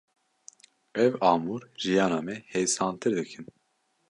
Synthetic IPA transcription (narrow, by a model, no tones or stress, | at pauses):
ɛvɑːmuɾʒijɑːnɑːmɛhejsɑːnt̪ʰɨɾd̪ɨkʰɨn